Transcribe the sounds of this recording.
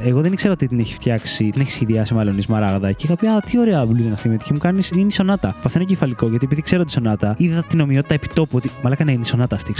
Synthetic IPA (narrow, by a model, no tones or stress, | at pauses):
eɣo̞ðenikse̞ɾɐot̪it̪ineçi̥sft̪çɐksit̪ineçisçiðiɐsimɐlo̞nizmɐɾɐɣɐðɐcikɐpçɐt̪io̞ɾeɐbluzonɐft̪imet̪i̥çimukɐnisiniso̞nɐt̪ɐpɐθenocefɐliko̞ʝɐt̪iepiðikseɾot̪iso̞nɐt̪ɐiðɐt̪ino̞miot̪it̪ɐepi̥t̪o̞puo̞t̪imɐlɐkɐneiniso̞nɐt̪ɐːft̪iks